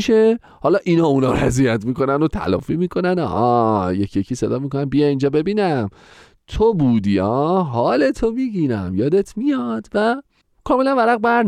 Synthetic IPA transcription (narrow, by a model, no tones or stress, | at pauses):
ʃe | hɒːlɒːʔinɒːunɒːɾæzijæt̪miːko̞nænd̪ot̪ʰæ̰lɒ̰ːfiːmiːkʰo̞nænɒ̰hɒjecʰjecʰiːsed̪ɒːmikonæmbijɛiːnd͡ʒɒːbe̞biːnæm | t̪ʰobuːd̪iːɒːɦɒːlet̪ʰomiːɟiːnæ̰mjɒːd̪e̞t̪ʰmijɒːd̪̥væ | kʰɒːme̞lænvæɾæɣbæɾ